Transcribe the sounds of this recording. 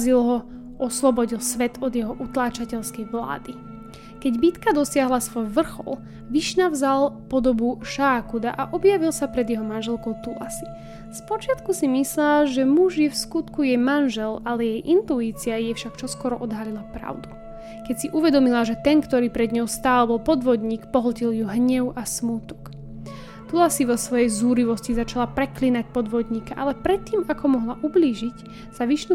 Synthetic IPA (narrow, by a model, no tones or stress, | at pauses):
zilɦɔ | ɔslɔbɔɟilsʋɛt̪ʰɔd̪jɛɦɔʔut̪laːt͡ʃacɛʎskɛjʋla̰ːd̪i | kɛɟbit̪kad̪ɔsɪaɦlasʋɔjʋr̩xɔ̰l | ʋiʃnavzalpɔd̪ɔbuʃaːkud̪aʔaʔɔbjaʋilˠsapɾɛd̪jɛɦɔmanʒɛlkɔʊt̪ula̰si̥ | spɔt͡ʃɪat̪kusimislaːʒɛmuʒjɛfskut̪kujɛmanʒɛlalɛjɛjʔint̪uiːt͡siajɛfʃakt͡ʃɔskɔɾɔʔɔd̪ɦalilapɾa̰ʊd̪u | kɛcsiʔuʋɛd̪ɔmilaʒɛt̪ɛnkt̪ɔɾiːpɾɛd̪ɲɔʊst̪aːlbɔlpɔd̪ʋɔd̪ɲiːkpɔɦlciljuɦɲɛʊasmut̪ɔ̥k | t̪ulasiʋɔsʋɔjɛjzuːɾiʋɔscizat͡ʃalapɾɛklinac̚pɔd̪ʋɔd̪ɲiːkaʔalɛpɾɛt̪ːiːmakɔmɔɦlaʔubliːʒic | saʋiʃnu